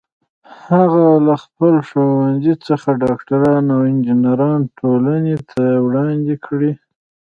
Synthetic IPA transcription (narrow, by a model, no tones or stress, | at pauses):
haɣalaxpəlʂowanzit͡səxaɖɑkʈaɾɑnawɪnd͡ʒinaɾɑnʈʰolanet̪ʰawɽɑnd̪ikʰɽi